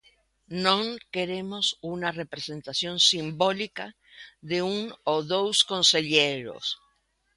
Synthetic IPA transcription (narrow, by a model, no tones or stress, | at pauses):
nõŋkeɾemo̞sunare̞pɾesẽ̞nt̪asjo̞nsimbo̞lika | ðeunoðowsko̞nse̞ʎeɾo̰s